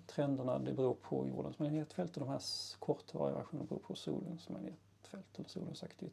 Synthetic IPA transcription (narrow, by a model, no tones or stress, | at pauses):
t̪ʰɾɛnd̪əɳad̪ɛbɛɾuːɾpʰɔjṵːɖənsmanneːt̪fɛlt̪əd̪ɔmhæːkʰɔɾt̪vɑːɾɪ̰væ̰ɾɧuːnəbɾṵːpʰɔsuːlənsma̰eːt̪ | fɛlt̪ɛlːəsṵːlənsakt̪ʰɪ